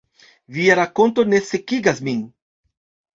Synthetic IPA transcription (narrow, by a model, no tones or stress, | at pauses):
viaɾako̞nto̞ne̞se̞kiɡasmin